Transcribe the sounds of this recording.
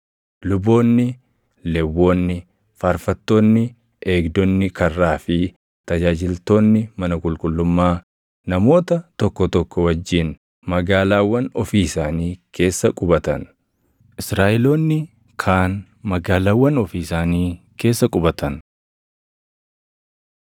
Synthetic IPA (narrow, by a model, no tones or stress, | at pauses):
lʊbo̞ːnːɪ | lɛwːo̞ːnːɪ | faːɾfɐt̪ːoːnːɪ | ʔe̞ːɡd̪ɔnːɪkɐrːaːfɪ | t̪ɐd͡ʒaːd͡ʒɪlt̪o̞ːnːɪmɐnɐkʼʊlkʼʊlːʊmːaː | nɐmo̞ːt̪ɐt̪ɔkːɔt̪ɔkːɔwɐd͡ʒːiːn | mɐɡaːlaːwːɐnɔfiːɪsaːniːkʰe̞ːsːɐkʼʊbɐt̪ɐn | ʔɪsɾaːʔɪloːnːɪ | kʰaːn | mɐɡaːlaːwːɐnɔfiːsaːniː | kʰe̞ːsːɐkʼʊbɐt̪ɐn